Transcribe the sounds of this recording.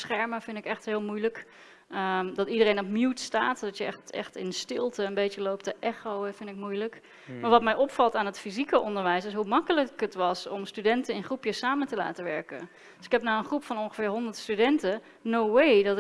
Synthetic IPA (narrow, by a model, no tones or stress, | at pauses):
sχɛɹməfɪndɪkɛχtɦɪːlˠmujlək | əmdɑtidərejnɔpmjutstaːtdɑtjəɛχtɛ̰χtɪ̰nstɪlˠtəənbejt͡ʃəlowp̚təʔɛχowfɪndɪk̚mujlək | maːɹʋɑtmɛjʔɔpfɑlˠtaːnətfizikəʔɔndəɹʋɛjsɪsɦumɑkələkətʋɑsɔmstydɛntənɪnχrupjəsaːməntəla̰ːtəʋɛɹkə̰ | døsɪ̥kɛp̚naənχrupfɑnɔŋχəfɪːɹɦɔndətstydɛntə | nowejdɑt